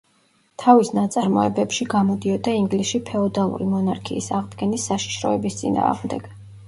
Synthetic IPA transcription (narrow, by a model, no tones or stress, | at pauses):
t̪ʰavisnat̪sʼaɾmɔɛbɛpʃiɡamɔd̪iɔd̪aiŋɡlisʃipʰɛɔd̪alˠṵɾimɔnaɾkʰiːsaʁd̪ɡɛnisːaʃi̥ʃɾɔ̰ɛbist̪sʼḭna̰ːʁmd̪ɛɡ̥